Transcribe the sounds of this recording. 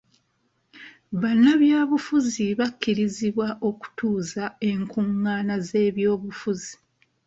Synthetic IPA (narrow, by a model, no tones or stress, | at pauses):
βanːaβjaːβufuziβakːiɾiziβwaʔo̞ku̥tuːzae̞ŋkuŋːaːnaze̞ːβjo̞ːβufuzi